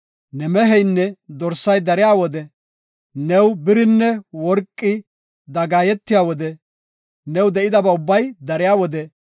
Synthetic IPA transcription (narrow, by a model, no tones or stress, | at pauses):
nɛmɛɦɛjnːɛd̪ɔɾsɐjd̪ɐɾɪjaːwɔd̪ɛ | nɛwbɪɾɪnːɛwɔɾkʼːɪ | d̪ɐɡaːjɛt̪ːɪjaːwɔd̪ɛ | nɛwd̪ɛʔɪd̪ɐbɐʊbːɐjd̪ɐɾɪjaːwɔd̪ɛ